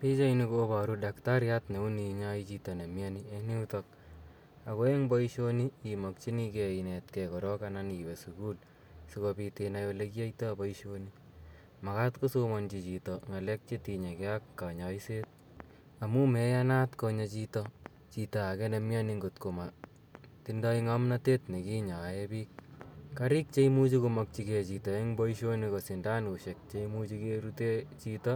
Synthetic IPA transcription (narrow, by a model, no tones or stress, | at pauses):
pit͡ʃainikoːbaɾudaktaɾjatneuniɲait͡ʃitɔnemjanieniutɔk̚ | akoeŋbɔiʃoniimok̚t͡ʃinikeinetkɛkɔɾɔkananibesukul | sukopitenajolekiaitobɔiʃoni | makatkosomɔnt͡ʃit͡ʃitɔŋalɛk̚t͡ʃetiɲakeakːaɲaiset̚ | amumɛjanatkɔɲat͡ʃitɔ | t͡ʃitaakɛnemjaniŋɡotkoma | tindaiŋamnatetnekiɲaepiːk̚kaɾik̚t͡ʃeimut͡ʃikʊmɔk̚t͡ʃiket͡ʃitɔɛŋbɔiʃonikɔsindankuʃek̚t͡ʃeimut͡ʃikeɾutet͡ʃitɔ